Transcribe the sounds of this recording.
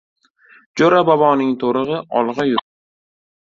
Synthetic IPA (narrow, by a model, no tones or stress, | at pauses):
d͡ʒoɾabɒbɒnɪŋt̪ʰoɾɨʁɨʔɒ̰lˠʁɑjʊt